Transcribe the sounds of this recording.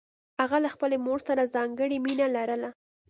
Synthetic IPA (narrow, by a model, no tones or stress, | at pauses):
haɣalaxpəlemoɾsaɾazɑŋɡəɽiminalaɾəla